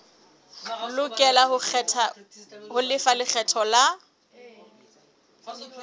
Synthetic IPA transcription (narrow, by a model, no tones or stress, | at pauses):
lʊkʼɛlahʊɛtʰahʊlɪfalɪk͡xʰɛtʰɔla